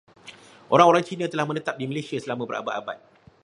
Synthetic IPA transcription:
ʔoɾaŋoɾaŋt͡ʃinãt̪əlahmə̃nət̪ap̚dimə̃lesiasəlamãbəɾʔa̰ba̰t̪aba̰t̪̚

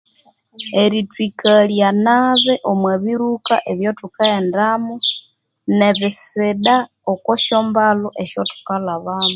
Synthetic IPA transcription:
eɾitwikʰaljanaβeʔomweβiɾuka̰ʔeβjotukaendamu | neβɪsɪɗa | okoʃoːmbaloʔeʃotu̥kalaβaːmu

